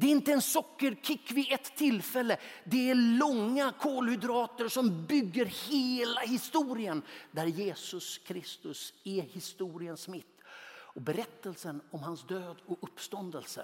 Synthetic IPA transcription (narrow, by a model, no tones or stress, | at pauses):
d̪ɛɾɪnt̪əɛnsɔkːəɾkʰɪkːvɪʔɛt̪ʰːɪlfɛlːəd̪ɛælɔŋːakʰoːlhʏd̪ɾɑːt̪əɾʂɔmbʏɡːəɾheːlahɪst̪uːɾɪənd̪æɾjeːsɵskʰɾɪst̪ɵsɛhɪst̪uːɾɪənsmɪt̪ːɔbɛɾɛt̪ːəlsənɔmhansd̪øːd̪ɔɵpːst̪ɔnd̪əlsə̰